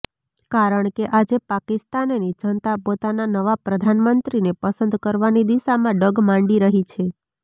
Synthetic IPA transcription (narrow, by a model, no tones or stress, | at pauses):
kaɾəɳkeʔad͡ʒepakist̪annit͡ʃənt̪apot̪ananəʋapɾəd̪ʱanmənt̪ɾinepəsənd̪kəɾʋanid̪iʃamãɖəɡmãɳɖiɾəɦit͡ʃʰe